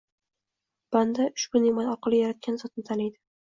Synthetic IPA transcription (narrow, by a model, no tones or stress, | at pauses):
b̥and̪aʊʃbʊnɪmɒjɒɾqʰɑlˠɪjaɾat̪̚kʲanzɒt̪̚nɪt̪ʰalɪjd̪ɪ